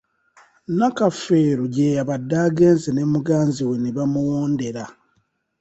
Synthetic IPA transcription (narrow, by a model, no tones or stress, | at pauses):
nakafe̞ːɾoɟeːjaβadːaːɡe̞ːnzene̞muɡaːnziweniβamuwoːnde̞ɾa